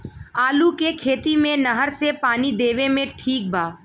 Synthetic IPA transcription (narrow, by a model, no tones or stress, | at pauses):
aːlukekʰeːt̪imẽnɐɦəɾsepaːnid̪eːʋẽmẽʈʰiːk̚bʱaː